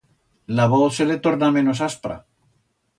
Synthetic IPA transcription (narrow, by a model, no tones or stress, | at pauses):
laβoθselet̪oɾnamẽ̞nos̬aspɾa̰